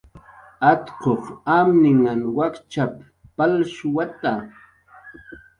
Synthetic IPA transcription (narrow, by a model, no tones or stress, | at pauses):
at̪qoχamnɪŋanwakt͡ʃap | palʃʊwat̪a